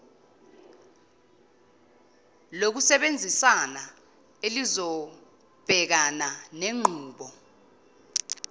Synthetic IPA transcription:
lok̬usɛɓend͡zʱisana | elizɔ | b̥ʱɛk̬ananeŋ͡ǃʱuːɓɔ

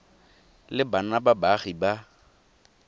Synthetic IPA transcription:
lɪbanababaɣiba

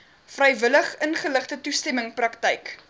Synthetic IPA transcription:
frɛjvələχənχələχtətustɛməŋprɐktɛjk

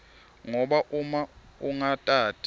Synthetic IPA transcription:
ŋɔɓaʔuma | uŋatʼaːtʰʼi

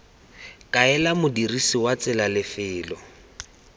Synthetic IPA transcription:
kʼaɛlamʊdirisiwat͡sɪlalɪfɪːlɔ

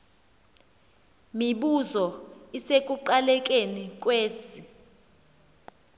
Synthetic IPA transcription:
miɓuzɔisekʼuǃalɛk̬ʼenik̬ʼweːsi

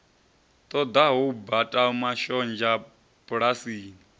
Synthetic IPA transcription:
t̪ʼɔd̪aɦubatʼamaʃɔnd͡ʒa | pʼuɺasiːni

